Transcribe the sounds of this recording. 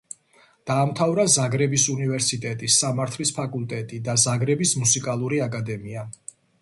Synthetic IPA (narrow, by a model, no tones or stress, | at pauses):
d̪̥aːmt̪ʰavɾazaɡɾɛbisunivɛɾsit̪ʼɛt̪ʼisːamaɾt̪ʰlispʰakʼulˠt̪ʼɛt̪ʼid̪azaɡɾɛbismusikʼalˠuɾiakʼad̪ɛmia